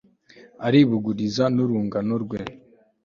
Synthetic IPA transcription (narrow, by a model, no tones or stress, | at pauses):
aɾiβuɡuɾizanuɾuːŋɡanoɾɡwe